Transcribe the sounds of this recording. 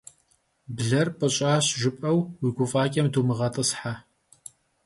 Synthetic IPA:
bɮɐrpʼɐɕʼaːɕʒɨpʼɐwwiɡʷʊfʼaːkʲʼɐmduːmɨʁɐtʼɨsħa

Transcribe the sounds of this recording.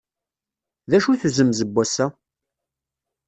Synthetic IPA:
ðæʃuθzəmzəbːæsæ

